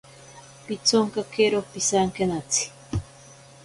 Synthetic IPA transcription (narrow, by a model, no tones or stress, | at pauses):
pit͡soŋkakeɾopisaŋkenat͡si̥